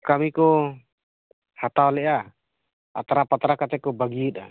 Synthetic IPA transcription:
kamikɔ | hat̪awlɛʔa | a̰t̪aɾapat̪aɾakat̪ɛkɔbaɡiit̪̚a

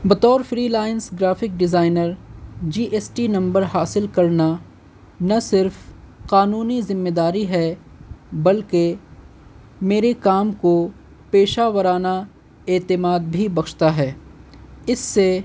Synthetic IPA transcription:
bɐt̪ɔːɾfɾiːlaːɪnsɡɾaːfɪk̚ɖɪzaːɪnəɾd͡ʒiːʔeːsʈinɐ̃mbəɾɦaːsɪlkɐɾna | nɐsɪɾf | qaːnuːnizɪmːeːd̪aːɾiɦɛː | bɐlke | meːɾekaːmko | peːʃaʋəɾaːna | eːt̪ɪmaːd̪̚bʱibɐkʃt̪aɦɛː | ɪsːe

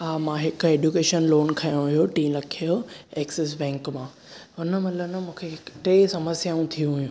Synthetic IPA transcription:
ɦaːmãɦɪkʊeːɖjukeːʃənloːnkʰɐjõɦʊɦijoʈĩːɾɐkʰijoeːkses̬bɛ̃ːŋkmãː | ɦʊnə̆mɐt̪lənɐmũːkʰeɪʈɾeːsɐməsjaũt̪ʰijũɦʊjũ

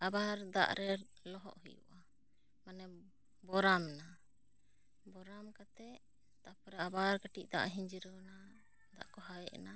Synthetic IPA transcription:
abaɾd̪a̰ʔɾɛ | lɔɦɔ̰ʔhujṵʔa | manɛ | bɔɾamna | bɔɾamkat̪ɛ | t̪apɾaabaɾkəʈiʔ̚ˀd̪aʔaɦiɲd͡ʒiɾɔna | d̪a̰ʔkɔɦajɛɛ̰na

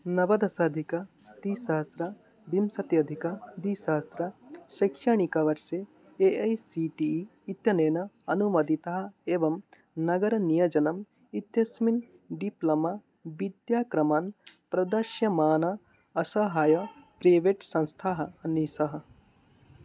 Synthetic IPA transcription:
nɐʋɐd̪ɐsaːd̪ʱikɐ | d̪iːsaːst̪ɾɐ | bimsɐt̪jɐd̪ʱikɐd̪iːsaːst̪ɾɐʃɐkʃɐɳikɐʋɐɾʃe | eɐjsiʈiː | t̪jɐneːnɐɐnumɐd̪it̪ɐɦɐ̆eːʋɐm | nɐɡɐɾɐnijɐd͡ʒɐnɐm | it̪jɐsmin | ɖiplɐmɐ | ʋid̪jaːkɾɐmaːnpɾɐd̪ɐʃjɐmaːnɐ | ɐsɐɦaːjɐpɾɐːʋeːʈsɐ̃nst̪ʰaːɦɐɐniːsɐɦɐ̆

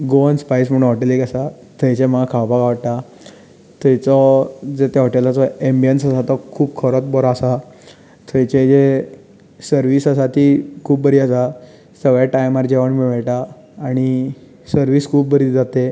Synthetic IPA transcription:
ɡoənspajsm̤əɽ̃ɦɔʈelikasa | t̪ʰəjt͡ɕeməɡakʰawpaɡaʋaʈt̪a | t̪ət͡sɔd͡zet̪eɦɔʈelat͡sɔembijənsasat̪ɔkʰuːpkʰəɾɔt͡s̪bɔɾaasa | t̪ʰəjt͡ɕed͡ʑe | səɾʋiːsasat̪iːkʰuːp̚bəɾiːasa | səɡɭjaʈajmaɾd͡ʑeʋəɳmiʋəɭʈaː | ɽ̃i | səɾʋiːskʰuːp̚bəɾiːd͡zat̪e

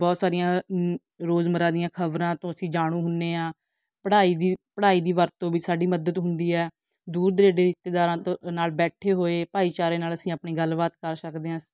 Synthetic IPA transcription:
bɔːt̪saːɾɪjãː | ɾoːzməɾãːd̪ɪjãːkʰəbɾãːt̪õːəsĩːd͡ʒaːɽ̃ũːɦʊnːeːãː | pəɽaːiːd̪iːpəɽaːiːd̪iːʋəɾt̪ːõːbiːsaːɖiːməd̪əd̪ɦʊnd̪iːɛː | d̪uːɾd̪ɾeːɖeːɪst̪eːd̪aːɾãːnaːlbɛːʈʰeːɦoːeːpaːiːt͡ʃaːɾeːnaːləsĩːapɳiːɡəlʋaːt̪kəɾsəkd̪eːãs

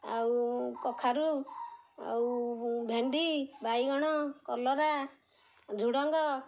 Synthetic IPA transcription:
a̰wkɔkʰaɾu | a̰wbʱenɖibajɡɔɽ̃ɔkɔlɔɾa | d͡ʒʱuɽɔŋɡɔ

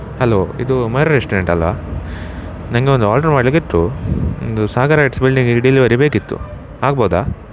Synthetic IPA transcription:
hɐloːḭd̪umɐjɾɐɾesʈɐɾeɳʈɐlʋa̰ | nɐŋɡeond̪uaːlʈɐɾmaːɖliɡiʈːuo̰nd̪usaːɡaɾaːʈsbilɖiŋɡiɖiliʋɐɾibeːkit̪ːṵ | aːɡboːd̪aː

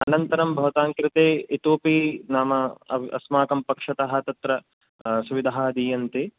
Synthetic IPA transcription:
ɐnɐnt̪ɐɾɐmbʱɐʋɐt̪aːŋkɾɪt̪eːit̪uːpiːnaːmɐɐʋɐ̰smaːkɐmpɐkʂɐt̪ɐɦɐ̆t̪ɐt̪ɾɐ | suʋid̪ʱaɦaːɐd̪iːjɐnt̪e

